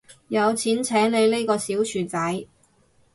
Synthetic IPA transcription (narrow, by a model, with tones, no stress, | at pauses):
jɐ˨˧wt͡sʰiː˨˥nt͡sʰɛː˨˥ŋne˨˧jle˥jkɔː˧siː˨˥wt͡ʃʰyː˨˩t͡sɐ˨˥j